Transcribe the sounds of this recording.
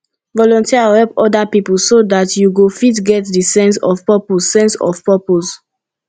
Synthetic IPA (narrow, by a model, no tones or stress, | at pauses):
vɔlɔ̃ntiahɛpɔdapipul̩sodatjuɡofitɡɛtdisɛ̃nsɔ̰vpɛpossɛ̃nsɔ̰vpɛpos